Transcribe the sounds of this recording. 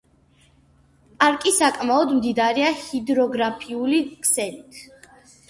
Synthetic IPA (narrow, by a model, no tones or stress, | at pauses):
pʼaɾkʼisakʼmaɔd̪md̪id̪aɾiahid̪ɾɔɡɾapʰiulikʼʰsɛlit̪ʰ